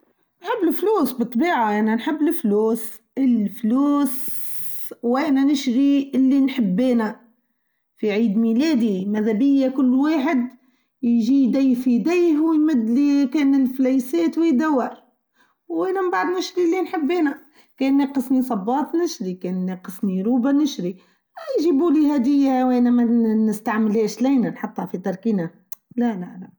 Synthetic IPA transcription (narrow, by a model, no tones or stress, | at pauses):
nħɪbːlfluːsbɨt̪ˤːbiːʕaʔananħɪbːlɪfluːs | ɪlfluːs | wænanɪʃɣiɪlːinħɪbːeːna | fiʕiːd̪mileːd̪imæðæbɪjːakʊlːwaːħɪd̪ | jʒiːd̪ajhfid̪ajhwɪjmɪd̪likɛːnɪlflæjsɛːt̪wɪjd̪æwːɑɾ | wwʔænæmbaʕd̪nɪʃɾilinħəbːeːnæ | kɛːnːeːqəsnisˤɑbːɑːt̪ˤnɪʃɾikɛːnːeqəsniɾuːbanɪʃɾi | æjʒibulihæd̪ɪjːawænæmænɪst̪aʕməlhɛːʃlæjnænħɑt̪ˤːhɑfit̪ˤɑɾˤkiːnæ | lælælæ